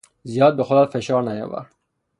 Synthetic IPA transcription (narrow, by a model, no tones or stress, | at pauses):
zijɒːd̪̚bexod̪at̪feʃɑːɾnajɔ̰va̰ɾ